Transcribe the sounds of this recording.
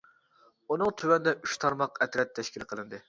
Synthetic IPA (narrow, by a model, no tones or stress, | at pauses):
unɨŋt̪ʰywɛnd̪ɛʔyʃt̪ʰɑɾmɑqɛt̪ɾɛt̪ʰːɛʃkʲilqʰəlˠɨnd̪ɨ